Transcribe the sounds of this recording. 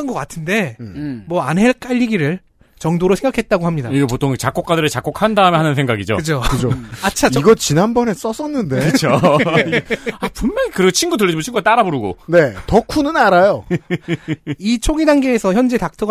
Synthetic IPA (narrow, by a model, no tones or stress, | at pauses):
ɯnɡʌk͈atʰɯnde̞mwʌanɦe̞ɭk͈aʎːiɡiɾɯɭ | t͡ɕʌŋdoɾosʰe̞ŋɡakʰet̚t͈aɡohamɲidaiɡep̬otʰoŋt͡ɕak͈ok͈adɯɾɯɭt͡ɕak͈okʰandaɯmeɦanɯnsʰeŋɡaɡid͡ʑo̰kɯd͡ʑʰokɯd͡ʑoat͡ɕʰat͡ɕiɡʌt͡ɕinɦanbʌne̞s͈ʌs͈ʌnːɯnde̞kɯt͡ɕʰo | apunmʌɡikɯɾet͡ɕʰinɡudɯɭːʌd͡ʑimot͡ɕʰinɡuɡat͈aɾaboɾɯɡo̰ne̞tʌkʰunɯnaɾajo | it͡ɕʰoɡidaŋɡeːsʰʌçjʌnd͡ʑetak̚tʰɯɡ